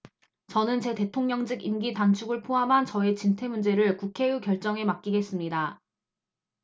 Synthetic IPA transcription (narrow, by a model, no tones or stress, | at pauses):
t͡ɕʌnɯnt͡ɕe̞te̞tʰoŋɲʌŋd͡ʑiɡimɡitant͡ɕʰuɡɯɭpʰoɦamɦant͡ɕʌet͡ɕintʰe̞mund͡ʑe̞ɾɯɭkukʰe̞ukjʌɭt͡ɕ͈ʌŋe̞mak͈̚iɡe̞s͈ɯmɲida